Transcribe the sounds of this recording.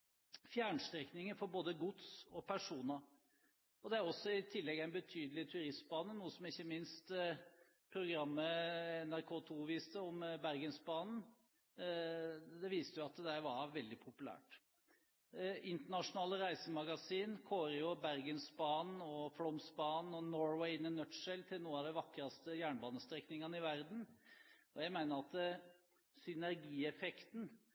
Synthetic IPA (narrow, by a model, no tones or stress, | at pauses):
fjæːɳst̪ɾɛknɪŋəfɔɾboːd̪əɡʊt̪sɔpʰæʂuːnɑ | ɔd̪ɛæɾɔsːɔɪt̪ʰɪlːɛɡæɪnbət̪ʰyːd̪əl̩ɪt̪ʰʉɾɪst̪̚bɑːnənuːəsɔmɪçːəmɪnst̪ | pʰɾʊɡɾɑmːəɛnæɾkʰoːt̪ʰuːʋiːst̪əɔmbæɾɡənsbɑːnn̩ | d̪ɛʋiːst̪əjʊɑt̪d̪æɪʋɑɾʋɛld̪ɪpʰʊpʉlæ̰ːʈ | ɪnt̪əɳɑʂʊnɑːləɾæɪsəmɑɡɑsiːnkʰoːɾəjʊbæɾɡənsbɑːnɔflɔmsbɑːnɔnɔɹwɛɪɪnːɪnœt̪ʂɛlt̪ʰɪlnuːənɑd̪ɛʋɑkːɾɑst̪əjæːɳbɑːnəst̪ɾɛknɪŋɑnəɪʋæɾd̪n̩ɔjæɪmæɪnəɾɑt̪ | sʏnæɾɡiːɛfɛkt̪n̩